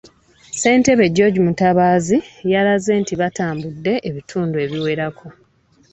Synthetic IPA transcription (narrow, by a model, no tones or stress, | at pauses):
se̞ːnte̞βe̞ɟo̞ɟumutaβaːzijaɾaze̞ːntiβataːmbudːe̞ʔeβitʰuːndue̞βiwe̞ɾakʰo̞